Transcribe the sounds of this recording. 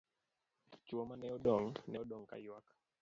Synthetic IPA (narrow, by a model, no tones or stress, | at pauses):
t͡ʃuɔmanɛɔɗɔŋnɛɔɗɔŋka̰iwakḁ